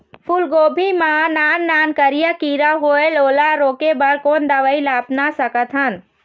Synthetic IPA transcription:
pʰʊlɡoːbʱimãnaːnːaːnkəɾijakiːɾaɦoːeloːlaɾoːkebɐɾkoːnd̪əʋəilaːpnasəkət̪ɦən

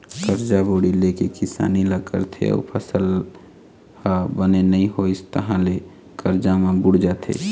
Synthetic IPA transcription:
kəɾd͡ʒaboːɽilekekɪsa̰ːniləkə̰ɾt̪ʰḛɔ̰pʰəsəl | habənenəĩɦoɪst̪əɦãle | kəɾd͡ʒamẽbʊɽd͡ʒaːt̪ʰḛː

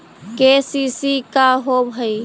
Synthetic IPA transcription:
kesisikaɦobʱəi

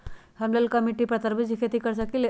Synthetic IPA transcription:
hamlalkəmiʈiːpɾət̪əɾbʱəd͡ʑikʰet̪ikəɾsakil

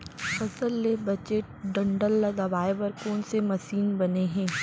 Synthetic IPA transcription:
fɐsəlːebɐd͡ʒeːʈ̚ɖɐ̃ɳɖəlːɐɡ̪aʋaːeʋɐɾkoːnsemɐʃiːnbɐneɦɛ̃ː

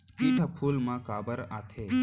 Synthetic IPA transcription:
kit̪ʰapʰuːlmãkaːbəɾaːt̪ʰeː

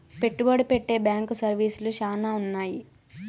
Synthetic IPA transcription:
pe̞ʈːubɐɽipeʈːe̞ːbjaːŋkusɐɾʋiːsuluʃaːnaːunːaːji

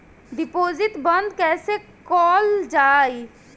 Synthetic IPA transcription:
ɖɪpoːzɪt̪bə̃nd̪kɛːsekɔːld͡ʒaːi

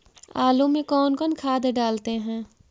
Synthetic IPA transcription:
aːlõmẽkɔːnkɔːnkʰaːd̪ɖaːlt̪eɦɛ̃ː

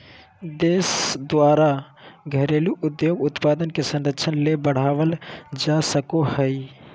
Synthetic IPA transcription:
d̪eːsd̪ʋaːɾa | ɡʱəɾeluʔʊd̪joːɡʊt̪paːd̪ənkesə̃nɾəkt͡ʃʰənlebəɽ̤aːʋəld͡ʒasəkohəi

